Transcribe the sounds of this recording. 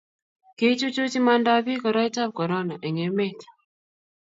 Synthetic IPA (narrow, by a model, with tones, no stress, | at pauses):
ke˦t͡ʃu˦t͡ʃo˦t͡ʃi˦ma˦nda˦bi˦kɔ˨ɾɔ˦i˦ta˦b̚kɔ˨ɾɔ˦na˨ʔɛ˨ŋe˨me˦tḁ˨